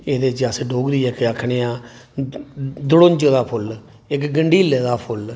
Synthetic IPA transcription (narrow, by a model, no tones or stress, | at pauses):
eːd̪eːt͡ʃəsɖoːɡd̪iːɛkːakʰɳeːãː | d̪ʊɽʊ̃ɲd͡ʒəd̪aːpʰʊl | ɪkɡəɳɖiːled̪aːpʰʊl